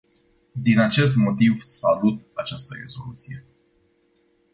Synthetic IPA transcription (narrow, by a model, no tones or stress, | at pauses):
d̪inat͡ʃe̞s̬t̪mo̞t̪ivsalut̪at͡ʃast̪ərḛzo̞lut̪sije̞